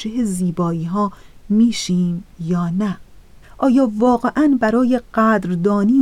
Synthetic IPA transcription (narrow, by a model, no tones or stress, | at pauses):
d͡ʒeheziːbɒːiːɦɒːmiːʃiːmjɒːnæʔɒːjɒːvɒːɣe̞ʔænbæɾɒːjeɢæd̪ɾd̪ɒːniː